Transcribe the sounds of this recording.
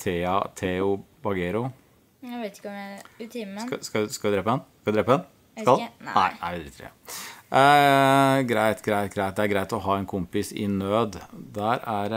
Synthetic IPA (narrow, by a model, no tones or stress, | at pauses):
t̪ʰeɑt̪ʰeʊbɑɡɛɾʊ | et̪ɪ̥k̪ː | skɑlskɑlɛd̪ɾeːpəɛnsskɑɛd̪ɾeːpəɛn | skɑnæ̰ɪnæ̰ɪʋɪd̪ɾɪ̰t̪ːəɛ̰ | ɡɾæɪt̪ɡɾæɪt̪ɡɾæɪt̪̚d̪ɛæɾɡɾæɪt̪ɔɦɑːɛnkʰʊmpɪsɪ̰nøːd̪d̪æɾæɾ